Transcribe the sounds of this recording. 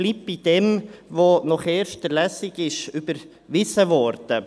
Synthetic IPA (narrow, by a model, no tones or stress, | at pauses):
liːp̚b̥id̥ɛmʋonɔχɛːɾʃtəlæsɪɡɪʃybəɾ | ʋɪsəʋɔɾd̥ə